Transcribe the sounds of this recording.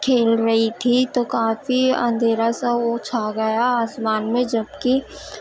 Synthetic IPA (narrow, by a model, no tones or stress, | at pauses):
kʰeːlɾɐɦit̪ʰit̪okaːfiɐ̰̃nd̪ʱeːɾasɐot͡ʃʰaɡɐjaaːsmaːnmẽd͡ʒɐbki